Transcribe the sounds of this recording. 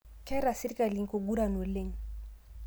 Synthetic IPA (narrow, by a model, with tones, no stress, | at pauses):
kɛ˦ɾa˨si˦ɾka˨li˨ŋ˨ko˨ɡu˦ɾa˨nwe˨le˦˨ŋ˨